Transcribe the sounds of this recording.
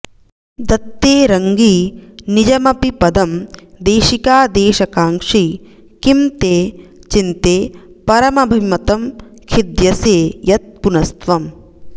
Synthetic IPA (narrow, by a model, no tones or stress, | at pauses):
d̪ɐt̪ːeːɾɐŋɡiːnid͡ʒɐmɐpipɐd̪ɐmd̪eːʃikaːd̪eːʃɐkaːŋʂi | kimt̪eːt͡ʃint̪eːpɐɾɐmɐbʱɐimɐt̪ɐmkʰid̪jɐseːjɐt̪̚punɐst̪ʋɐm